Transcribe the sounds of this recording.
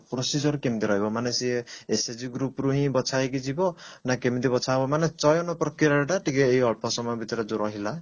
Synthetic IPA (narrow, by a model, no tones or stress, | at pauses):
prosid͡zʌɾkemid̪iɾʌɦebomanesiesed͡ziɡɾupɾuɦĩbʌt͡sʰajek̬id͡zibonakemit̪ibʌt͡sʰabomanest͡sʌjonʌprʌkiɾaeʈaʈikeːiʌɭpʰɔsʌmʌbit̪ɾad͡zuɾʌɦila